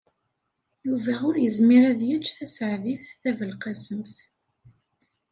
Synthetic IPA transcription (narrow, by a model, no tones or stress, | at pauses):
juvæʊɾjəzmiɾæðjət͡ʃːθæsʕðiθθævəlqɑsəmθ